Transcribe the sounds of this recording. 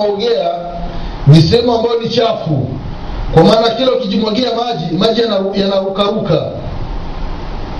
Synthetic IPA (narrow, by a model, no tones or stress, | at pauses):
ɔɡɛa | nisɛhɛmuambajɔnit͡ʃafu | kwamaːnakɛlɔukid͡ʒimwaɡɛamad͡ʒimad͡ʒijanaujanaɾukaɾuka